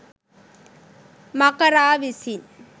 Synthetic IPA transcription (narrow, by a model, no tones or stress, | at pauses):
mɐkɐɾaːʋisin